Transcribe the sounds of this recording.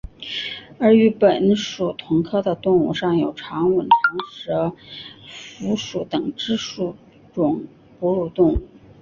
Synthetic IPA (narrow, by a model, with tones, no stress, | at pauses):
ə˞˧˥y˧˥pə˨˩nʂu˨˩t̪ʰʊ˧˥ŋkʰɤ˥˩d̪ə˨˩t̪ʊ˥˧ŋu˧˩ʂɑ˥˩ŋjo˨˩ʊʈ͡ʂʰɑ˧˥ŋwə˨˩nʈ͡ʂʰɑ˧˥ŋʂɻə˧˥ | fu˧˥ʂu˧˥t̪ɤ˨˩ŋʈ͡ʂɻ̩˥ʂu˨˩ | ʈ͡ʂʊ˨˩ŋ | pu˧˥ɻu˨˩t̪ʊ˥˧ŋu˥˩˦